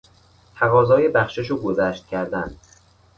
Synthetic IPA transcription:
t̪ʰæɣɒːzɒːjebæxʃeʃuːɡozæːʃt̪̚cʲʰæɾd̪æn

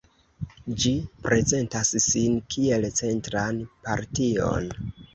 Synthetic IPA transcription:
d͡ʒipɾʔe̞ze̞ntassinkʰie̞lt͡se̞ntɾanpaɾtio̞̰n

